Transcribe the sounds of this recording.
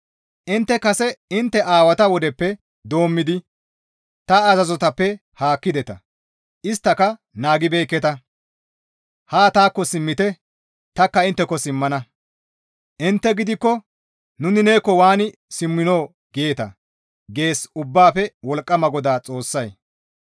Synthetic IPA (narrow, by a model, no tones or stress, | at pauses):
ʔɪnt̪ːɛkɐsɛɪnt̪ːɛʔaːwɐt̪ɐwɔd̪ɛpːɛ | d̪o̞ːmːɪd̪ɪ | t̪ɐːzɐzɔt̪ɐpːɛ | haːkːɪd̪ɛt̪ɐ̰ | ʔɪst̪ːɐkɐ | naːɡɪbe̞ːkːɛt̪ɐ | haːt̪aːkːɔsɪmːɪt̪ɛ | t̪ɐkːɐɪnt̪ːɛkːɔsɪmːɐnɐ | ʔɪnt̪ːɛɡɪd̪ɪkːɔ | nʊnɪne̞ːkːɔwaːnɪsɪmːɪno̞ː | ɡeːt̪ɐ̰ | ɡe̞ːsʊbːaːpɛwɔlkʼːɐmɐɡɔd̪aːt͡sʼo̞ːsːɐj